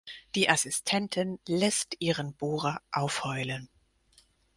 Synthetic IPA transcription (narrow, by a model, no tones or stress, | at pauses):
d̥iːʔasɪstʰɛntʰɪnlɛstʔiːʁənboːʁaʔaʊfhɔʏlən